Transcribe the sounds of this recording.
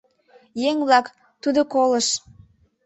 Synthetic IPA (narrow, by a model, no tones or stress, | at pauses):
jeŋβlɑk | t̪ud̪okoləʃ